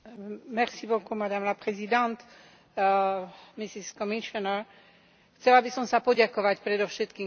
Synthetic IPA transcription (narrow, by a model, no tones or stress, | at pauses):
mɛrsibɔkumad̪amlapɾɛzid̪ãnt̪ | misiskɔmiʃɔnɛɾ | xt͡sɛlabisɔmsapɔɟakɔʋacpɾɛd̪ɔfʃɛt̪kiː